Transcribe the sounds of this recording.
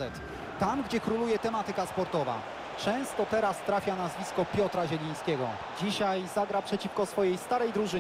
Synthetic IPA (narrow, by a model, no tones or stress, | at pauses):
ɛt̪ | t̪amɡd͡ʑɛkɾulujɛt̪ɛmat̪ɘkaspɔɾt̪ɔva̰ | t͡ʂɛ̃w̃st̪ɔt̪ɛɾast̪ɾafʲjanazvʲiskɔpʲjɔt̪ɾaʑɛlʲij̃skʲɛɡɔ̰ | d͡ʑiɕajzaɡɾapʂɛt͡ɕifkɔsfɔjɛjst̪aɾɛjd̪ɾuʐɘ